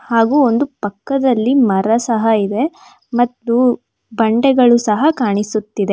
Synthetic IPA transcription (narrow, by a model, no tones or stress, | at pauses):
haːɡuːo̞nd̪upɐkːɐd̪ɐlːimɐɾɐsɐɦɐid̪e̞ | mɐt̪ːu | bɐɳɖɛɡɐɭusɐɦɐkaːɳisut̪ːid̪e̞